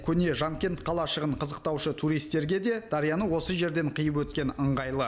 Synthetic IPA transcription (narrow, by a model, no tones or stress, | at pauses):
kʲʰɵne̞ʒɑmkʲe̞nt̪̚qʰɑlˠɑʃəʁəɴqʰəzəq̚t̪ɑwʃət̪ʰuɾijst̪ːe̞ɾɡʲe̞d̪e̞d̪̥ɑɾijɑnəwo̞səʒe̞ɾd̪e̞ɴqʰəjəp̬wɵt̪̚kʲe̞nəɴʁɑjlˠə